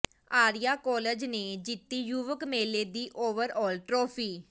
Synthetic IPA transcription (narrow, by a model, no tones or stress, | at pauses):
aːɾijaːkɔːled͡ʒneːd͡ʒɪt̪ːiːjuːʋəkmeːleːd̪iːʔoːʋəɾɔːlʈɾoːpʰiː